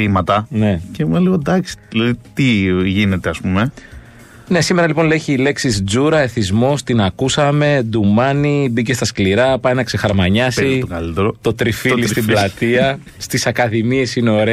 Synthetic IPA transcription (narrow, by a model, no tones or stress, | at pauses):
θimɐt̪ɐne̞cemumeliɣod̪ɐksi̥ðilɐðit̪iʝine̞t̪eɐspume̞ | ne̞sime̞ɾɐlipo̞nleçiːle̞ksizd͡zuɾɐe̞θizmo̞st̪inɐkusɐme̞d̪umɐnibice̞st̪ɐskliɾɐpɐjnɐkse̞xɐɾmɐɲɐsit̪okɐ̰lit̪eɾot̪o̞t̪ɾifilist̪iblɐt̪iɐ | st̪isɐkɐðimie̞sineoɾe